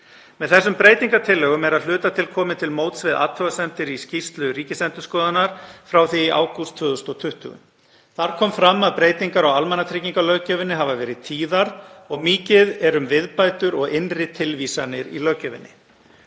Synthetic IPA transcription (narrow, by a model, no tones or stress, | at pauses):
mɛðθɛsːʏmpɾeːjt̪iŋkat̪ʰɪlːɛːɣʏmɛɾaðl̥ʏːt̪at̪ʰɪlkʰɔːmɪt̪ʰɪlmoːwt̪svɪðʔa̰ːt̪ʰvœɣasɛnt̪ɪɾiscist̪lʏɾiːcɪsɛnt̪ʏskɔːðanaɾ̥fɾawθiʔa̰ːwkust̪ʰvʏːðʏst̪ɔt̪ʰʏht̪ʏ̰ɣʏ̰m | θaɾ̥kʰɔːmfɾamːaðpɾeːjt̪iŋkaɾawalmɛnat̪ʰɾɪciŋkalœɣcœvɪnːɪɦavavɛːɾɪðt̪ʰiːðaɾɔɣmiːcɪðɛɾʏmvɪðpaːjt̪ʏɾɔɣɪnrɪt̪ʰɪlviːsanɪɾḭlœcœvɪ̰nːɪ̰